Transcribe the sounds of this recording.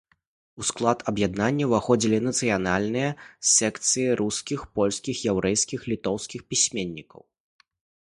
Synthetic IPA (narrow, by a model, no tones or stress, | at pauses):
usklˠat̪ʰɐbjad̪nanʲːɐvaxɔd͡zʲilʲinɐt̪sɨjanalʲnɨjɐsʲɛkt̪sɨjiɾʔuskʲixpɔlʲskʲixjɛwɾɛjskʲixlʲit̪ɔwskʲixpʲisʲmʲenʲːikɐ̰w